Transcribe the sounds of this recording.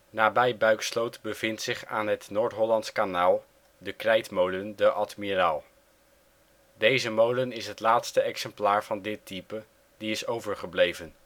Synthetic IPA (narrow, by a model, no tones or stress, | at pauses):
naːbɛjbœɥkslowtbəv̥ɪntsɪχa̰ːnɦətnoːɹtɦɔlɑntskanaːlˠ | dəkrɛjtmowləndəʔɑtmiraːlˠ | dejzəmowlənɪsɦətlaːtstəɛksɛmplaːɹv̥ɑndɪtipə | diɪsowvəɹχəblejvən